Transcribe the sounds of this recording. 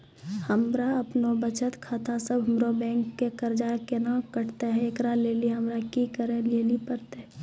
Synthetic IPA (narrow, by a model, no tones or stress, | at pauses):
həmɾaəpnobət͡ʃət̪kʰaːt̪ʰasəbʱɦəmɾobɛ̃ːŋkːekəɾd͡ʒakenakəɽt̪eɦɛ̃eːkɾaleːliɦəmɾakikəɾẽleːlipəɾt̪eɦɛ̃